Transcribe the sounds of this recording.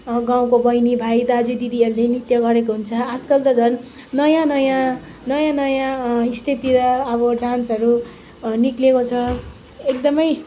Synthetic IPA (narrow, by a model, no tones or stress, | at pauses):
ɡãw̃kobʌjnibʱajd̪ad͡zud̪id̪iʌɾulenit̪jʌɡʌɾekoɦunt͡sʰʌad͡zkʌld̪ʌd͡zʱʌn | nʌjãnʌjã | nʌjãnʌjãist̪ʰit̪iɾʌːβʌɖãnsʌɾu | niklekot͡sʰʌ | ek̚d̪ʌmʌj